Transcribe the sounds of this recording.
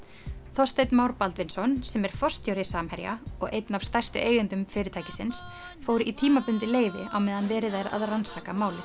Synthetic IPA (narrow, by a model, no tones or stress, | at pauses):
θɔst̪ejt̪nmaːwɾpalt̪vɪnsɔnsɛmɛɾ̥fɔst̪jowɾɪsaːmhɛɾja̰ɔɣejt̪nav̥st̪ajr̥st̪ʏ̰ʔeːjɣʏnt̪ʏmfɪːɾɪt̪ʰajcɪsɪns | foːwɾɪʔit̪ʰiːmapʏnt̪ɪleːjvɪ̰awmɛːðanvɛːɾɪðajɾa̰ðransaːkamaːwlɪ